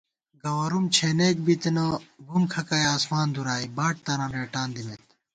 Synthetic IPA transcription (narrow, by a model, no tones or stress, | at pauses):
ɡɐwɐɾumt͡ɕʰeːneːk̚bit̪enɐɡumkʰɐkaːjaːsmaːnd̪uɾaːibaːʈ̚t̪ɐnɐ̃neːʈaːnd̪imet̪